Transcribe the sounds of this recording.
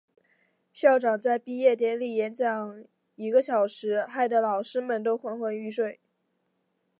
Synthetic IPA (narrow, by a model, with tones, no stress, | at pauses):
ɕjɑ˥˩ʊʈ͡ʂɑ˨˩ŋt͡sa˥˧ɪpi˥˧jɛ˥˩t̪̬jɛ˧˥˩nli˥˩jɛ˧˥nt͡ɕjɑ˨˩˦ŋ | i˨˩ɡə˧˦ɕjɑ˨˩ʊʂɻ̩˧˥xa˥˩ɪd̪ə˩lɑ˨˩ʊʂɻ̩˥mə˨nt̪o˥ʊxwa˥nxwa˧˥ny˥ʂwe˥˩ɪ